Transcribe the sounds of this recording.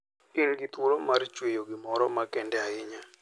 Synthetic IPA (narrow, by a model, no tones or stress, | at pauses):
ɪnɡit̪woɾomart͡ʃwejoɡɪmɔɾɔmakɛndɛaɪɲa